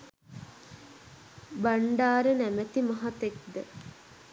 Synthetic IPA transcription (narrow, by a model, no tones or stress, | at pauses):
baɳɖaːɾənæmæt̪imɐɦɐt̪ek̚d̪ə